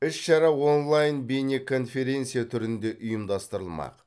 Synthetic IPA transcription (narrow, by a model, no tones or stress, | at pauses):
ɪʃʃɑɾɑwo̞nlˠɑjnbenʲekʰo̞nfʲe̞ɾʲe̞nt̪sɨjat̪ʰʏɾɪnd̪e̞ʔʊjəmd̪ɑst̪əɾəlˠmɑ̰q